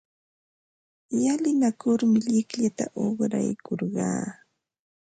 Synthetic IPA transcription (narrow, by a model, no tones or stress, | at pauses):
jalɪnakʊɾmɪʎɪkʎat̪aʔoχɾa̰jkoɾɢɑ̰ː